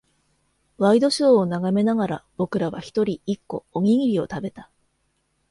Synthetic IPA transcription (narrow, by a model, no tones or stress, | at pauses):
βaid̪o̞ɕoːnaɡame̞naɡaɾa̰b̥o̞kɯ̟ɾaβa̰çi̥t̪o̞ɾʲiikːo̞̰oɡʲiŋiɾʲio̞t̪abe̞t̪ḁ